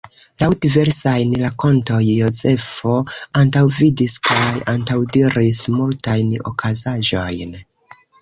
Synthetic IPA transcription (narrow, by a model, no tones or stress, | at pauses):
lawdive̞ɾsajnlako̞nto̞jːo̞ze̞fo̞antawvidiskajantawdiɾismultajno̞̰kʰazaʒo̞jn